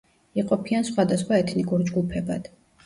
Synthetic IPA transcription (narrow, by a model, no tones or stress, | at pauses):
iqʼɔpʰiansχwad̪asχwaɛt̪ʰnikʼuɾd͡ʒɡupʰɛba̰d̪̥